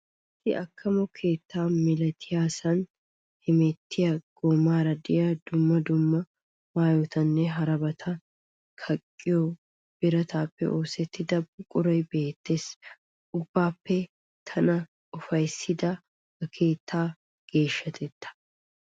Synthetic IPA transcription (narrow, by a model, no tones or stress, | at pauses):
ɪt̪ːɪɐkʰːɐmɔkʰe̞ːt̪ːaːmɪlɐt̪ʰɪjaːsɐn | hɪmɛt̪ːɪjɐɡ̥omaːɾɐd̪ɪjɐd̪ʊmːɐd̪ʊmːɐ | maːjoːt̪ɐnːɛɦɐɾɐbɐt̪ʰɐ | kʰɐkʼːɪjo | b̥ɪɾɐt̪ʰaːpːɛ̰ʔo̞ːsɛt̪ːɪd̪ɐbʊkʼʊɾɔjbe̞ːt̪ːe̞ːs | ʔʊbːaːpːɛ | t̪ʰɐnɐ | ɔfɐjsɪd̪ɐ | ɡɐkʰe̞ːt̪ʰːaː | ɡ̥e̞ːʃːɐt̪ʰɛt̪ːɐ̥